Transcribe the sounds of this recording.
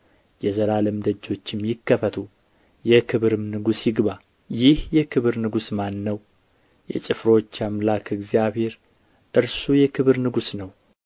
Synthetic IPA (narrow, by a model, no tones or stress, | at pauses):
jɛzəɾalɨmd̪əd͡ʒːo̞t͡ʃːɪmjɪkːəfət̪ʰu | jɛkʰɨβɾɨmnɨɡusjɪɡba | jɪhjɛkʰɨβɨɾnɨɡusmanːəw | jɛ̰t͡ʃʼɪfɾo̞t͡ʃːamlakʰɨɡzjaβhe̞ɾ | ʔɨɾsujɛkʰɨβɨɾnɨɡusnəw